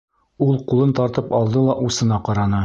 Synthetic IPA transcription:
ulˠqulˠɤnt̪ɒɾt̪ɤpɒlˠd̪ɤlˠɑʔusɤ̆nɑqɒɾɑnɤ

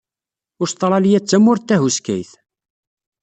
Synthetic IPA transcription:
ʊɾst̪ˤːɾˤɑlijæt͡sːæmʊɾt̪ːæɦuskæ̰jθ

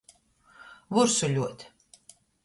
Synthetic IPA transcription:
vuɾsuʎʲuɔt̪ʲ

